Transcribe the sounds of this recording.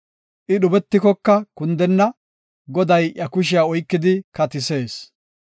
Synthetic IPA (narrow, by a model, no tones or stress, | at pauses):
ʔɪɗʊbɛt̪ːɪkɔkːɐkʊnd̪ɛnːɐ | ɡɔd̪ɐjʔjɐkʊʃ̬ɪjaɔjkːɪd̪ɪkɐt̪ɪse̞ːs